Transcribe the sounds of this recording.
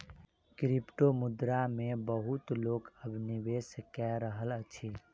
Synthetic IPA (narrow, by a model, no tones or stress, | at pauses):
kɾipʈomʊd̪ɾamẽbəɦʊt̪loːkəbnɪʋeːskɛɾəɦələt͡ʃʰi